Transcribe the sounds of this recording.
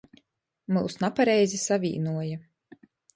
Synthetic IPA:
mɨlˠsnapaɾɛjzisavʲḭːnuɔja

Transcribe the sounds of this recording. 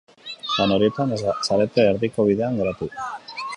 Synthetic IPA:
sano̞ɾie̞t̪ansaɾe̞t̪e̞ːɾðiko̞β̞iðe̞aŋɡe̞ɾat̪u

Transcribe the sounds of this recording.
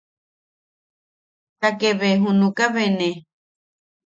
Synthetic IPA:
takeβeɦunukaβene

